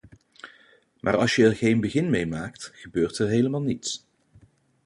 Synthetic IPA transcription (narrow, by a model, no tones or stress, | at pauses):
mʔaːɹɑlˠsjəɛɹχejnbəχɪnmejmaːktχəbøːɹtɛɹɦejləmaːlˠnits